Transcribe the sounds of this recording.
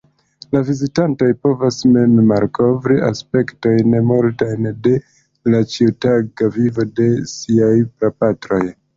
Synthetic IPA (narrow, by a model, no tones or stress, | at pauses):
lavizitanto̞jpo̞vasme̞mmaɾkʰo̞vɾia̰spe̞kto̞jnmoɾtajnde̞ | lat͡ʃiutaɡavivo̞de̞siajpɾapatɾo̞j